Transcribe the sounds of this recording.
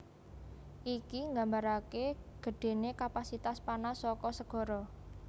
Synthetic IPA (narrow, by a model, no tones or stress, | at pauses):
ʔikiŋɡambaɾakeɡ̥ə̤ɖ̥e̤nekapasit̪aspanasɔkɔsəɡ̥ɔ̤ɾɔ